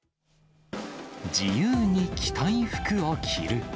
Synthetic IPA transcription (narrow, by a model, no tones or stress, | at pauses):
d͡ʑijɯːɲ̟ikʲʰi̥t̪ʰaĩɸɯ̥kɯβakʲʰḭɾɯ̟